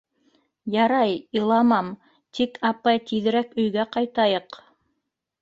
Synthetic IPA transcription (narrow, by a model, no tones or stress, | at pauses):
jɑɾɑjɤ̆lˠɑmɑm | t̪ikʰɑpɑjt̪iðɘ̆ɾækɵ̆jɡæqɑjt̪ɑjɤq